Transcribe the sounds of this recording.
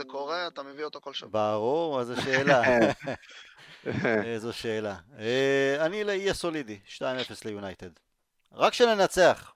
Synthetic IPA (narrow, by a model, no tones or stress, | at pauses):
ekoʁeat̪ameviot̪okolʃbaʁuʁezoʃeːla | ezoʃeːlaeanileijasolidiʃtaimefeslejunajt̪ed | ʁakʃene̞nat͡seaχ